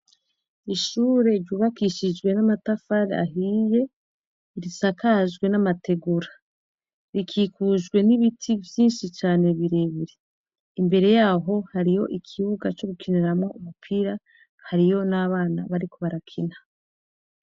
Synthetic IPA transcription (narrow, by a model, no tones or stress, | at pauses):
iʃuːɾe̞ɾjuːβakiʃid͡ʒɡwe̞namatafaɾḛa̰ɦiːje̞ | iɾisakaʒɡwe̞namate̞ɡuɾa | βikʰiːkuʒɡwe̞niβitʰivjiːnʃit͡ʃaːne̞βiɾe̞βiɾe̞ | imbe̞ɾe̞jaːɦo̞haɾijo̞ʔikʰiβuɡat͡ʃo̞ɡukʰineɾamŋo̞umupʰiːɾa | haɾijo̞naβaːna̰βaɾiko̞βaɾakʰina